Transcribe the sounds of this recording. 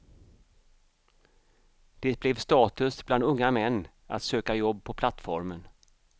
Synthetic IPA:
d̪̥ɛblɛvst̪ɑːt̪ɵsbland̪ɵŋːamɛnː | a̰t̪søːkajɔbːpʰɔpʰlat̪ːfɔ̰ɾmən

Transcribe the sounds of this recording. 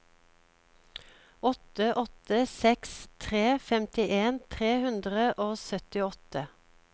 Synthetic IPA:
ɔt̪əʔɔt̪əsɛkst̪ʰʁeːfɛmt̪ɪʔeːnt̪ʰʁeːhʉnd̪ʁəʔoːsœt̪ɪɔt̪ə

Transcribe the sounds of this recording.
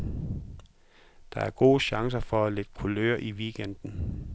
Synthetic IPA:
d̥ɑ̈æɐɡ̥o̝̰ːɕɑ̈ŋs̬ɐfɒ̽æled̥kʰulø̰ːɐʔiʋiɡ̥en̰d̥n̩

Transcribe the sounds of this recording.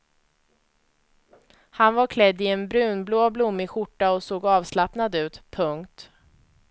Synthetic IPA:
hanvaɾkʰlɛd̪ːɪɛnbɾʉ̟ːnbloːblʊmːɪɧʊʈːaɔsoːɡɑːvslapnad̪ʉ̟ːt̪pʰɵŋkt̪

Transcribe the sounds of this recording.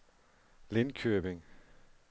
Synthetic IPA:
lɪnkʰøbɪŋ

